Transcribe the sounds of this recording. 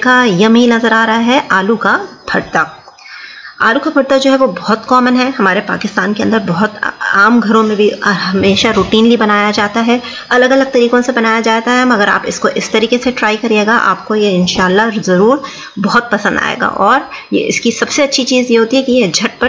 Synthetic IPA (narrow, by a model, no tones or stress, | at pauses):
kajɐminɐzəɾaːɾɐɦaɦɛʔaːlukabʰʱɐɽt̪a | a̰ːlukabʱɐɽt̪ad͡ʒoːɦɛʋobɔɦʊt̪kɔːmənɦɛɦɐmaːɾepa̰ːkɪst̪aːnkeɐ̃nd̪əɾbɔɦʊt̪aːmɡʱɐɾõmẽbʱiɦɐmeːʃaɾuːʈiːnlibɐnaːjad͡ʒaːt̪aɦɛ | ɐləɡɐləɡ̚t̪ɐɾiːkõsebɐnaːjad͡ʒaːt̪aɦɛmɐɡəɾa̰ːpɪskoʔɪst̪ɐɾiːkeseʈɾaːikɐɾieːɡaʔa̰ːp̚kojeɪ̃nʃaːlːazɐɾuːɾ | bɐɦʊt̪̚pɐsə̃nd̪a̰ːḛːɡa̰ʔɔːɾjḛʔɪ̰skisɐbseɐtːʃʰit͡ʃiːzjeɦoːt̪iɦɛkijed͡ʒʱɐʈ̚pɐɾ